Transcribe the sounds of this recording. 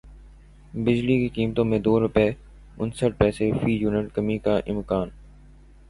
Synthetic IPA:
bɪd͡ʒlikikiːmt̪õmẽd̪oːɾʊpɛː | ʊ̰nsəʈ̚pɛːsefiːjuːnəʈkəmikaʔɪ̰̃mkaːn

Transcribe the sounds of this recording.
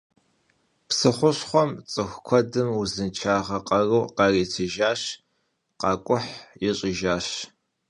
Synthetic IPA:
psɨχʷʊɕχʷɔmt͡sʼɨxʷkʷʰɔdɨmuzɨnt͡ʃʰaːʁɐqʼɐruːqɑriːtʰɨʒaːɕ | qɑːkʷʼʊħjɪɕʼɪʒaːɕ

